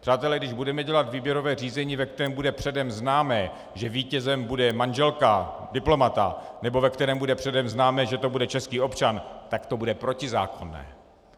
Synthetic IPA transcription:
pr̝̥aːt̪ɛlɛɡdɪʒbudɛmɛɟɛlat̪viːbjɛɾo̞vɛːr̝iːzɛɲiːvɛk̚t̪ɛɾɛːmbudɛpr̥ɛdɛmznaːmɛː | ʒɛviːcɛzɛmbudɛmanʒɛlkadɪplo̞mat̪a̰ | nɛbo̞vɛkt̪ɛɾɛːmbudɛpr̝̥ɛdɛmznaːmɛːʒɛt̪o̞budɛt͡ʃɛskiːo̞pt͡ʃant̪akt̪o̞budɛpɾo̞cɪza̰ːko̞nːɛ̰ː

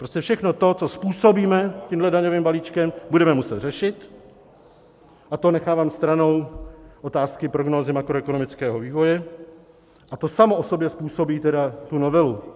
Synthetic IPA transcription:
pɾoscɛfʃɛxno̞t̪o̞t͡so̞spuːso̞biːmɛtciːmɦlɛdaɲo̞viːmbaliːt͡ʃkɛmbudɛmɛmusɛt̪r̥ɛʃɪt̪ | ʔat̪o̞nɛxaːvaːmst̪ɾano̞wʔo̞t̪aːskɪpɾoɡno̞ːzɪmakɾoɛkonomɪt͡skɛːɦoviːvo̞jɛ | ʔat̪o̞samoʔoso̞bjɛspuːso̞biːt̪ɛdat̪unovɛlu

